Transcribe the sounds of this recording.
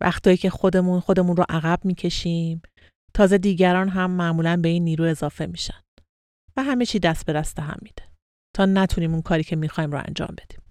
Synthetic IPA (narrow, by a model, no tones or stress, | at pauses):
væ̰xt̪ɒːjiːcʰe̞xo̞d̪e̞munxo̞d̪e̞muːnɾoʔæɣæb̥̚miːcʰe̞ʃiːm | t̪ʰɒːze̞d̪iːɟæɾɒːnɦæmːæʔmuːlænbe̞iːnːiːɾuːe̞zɒːfe̞miːʃæn̥ | væɦæme̞t͡ʃʰiːd̪æst̪̚be̞d̪æst̪eɦæ̰mːiːd̪̥e | t̪ʰɒːnæt̪ʰuniːmunkʰɒːɾiːcʰe̞mixɒːimɾʊ̰æ̰nd͡ʒɒ̰ːmbe̞d̪̥i̥ːm